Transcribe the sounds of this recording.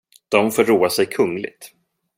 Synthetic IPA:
d̪̥ɔmfoːɾːoːasɛjkʰɵŋːlɪ̰ɡ̚t̪

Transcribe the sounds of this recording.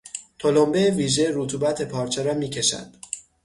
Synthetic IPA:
t̪ʰo̞lombeviːʒeɾuːt̪ʰuːbæt̪ʰe̞pʰɒːɾt͡ʃʰeɾɒːmiːcʰe̞ʃæ̰nd̪̥

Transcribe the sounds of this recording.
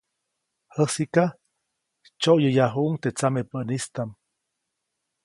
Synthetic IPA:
həsika | t͡ʃoʔjəjaɦuʔŋt̪et͡samepənist̪am

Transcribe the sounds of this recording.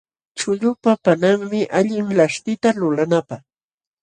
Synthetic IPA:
t͡ʃʊʎʊpapanaŋmɪʔaʎɪŋlaʂt̪ɪt̪alʊlanapaχ

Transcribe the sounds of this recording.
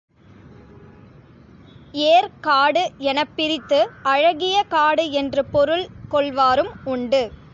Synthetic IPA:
eːɾkaːɽɯɛnɐpːɪɾɪt̪ːɯʔɐɻɐɣɪjɐkaːɽɯɛndrɯpɔɾɯɭkɔɭʋaːɾɯmʊɳɖɯ

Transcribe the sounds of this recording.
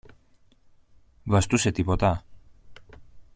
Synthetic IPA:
vɐst̪use̞t̪ipo̞t̪ɐ

